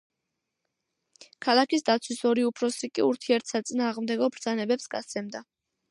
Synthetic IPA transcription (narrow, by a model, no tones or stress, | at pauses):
kʰalˠakisd̪at̪sʰwisɔɾiupʰɾɔsɾikʼiuɾt̪ʰiɛɾt̪ʰsat̪sʼinaːʁmd̪ɛɡɔbɾd̪zanɛbɛpsɡa̰t̪sʰɛmd̪a